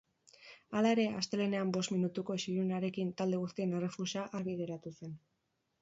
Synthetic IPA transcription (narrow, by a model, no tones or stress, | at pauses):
alae̞ɾe̞ast̪e̞le̞ne̞ambo̞st̪minut̪uko̞siɾunaɾe̞kint̪ald̪e̞ɣust̪ie̞nere̞fuʃaʔaɾβið̞e̞ɾat̪use̞n